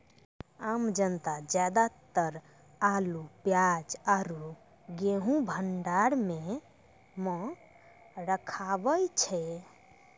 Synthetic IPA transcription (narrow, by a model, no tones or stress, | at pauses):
amd͡ʒənt̪ad͡ʒjad̪at̪əɾ | alupjad͡ʒaɾu | ɡeɦũbʱəɳɖaɾme | mɔ̃ | ɾəkʰabəjt͡ʃʰɛ